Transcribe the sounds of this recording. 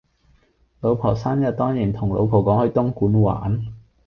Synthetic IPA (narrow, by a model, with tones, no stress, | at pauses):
lo˨˧wpʰɔː˨˩saː˥njɐ˨t̚t̪ɔː˥ŋjiː˨˩nt̪ʰʊ˨˩ŋlo̰˨˧wpʰɔː˨˩kɔː˨˥ŋhɵ˨˧ɥt̪ʊ˥ŋkuː˨˥nwa̰ː˨˥˦n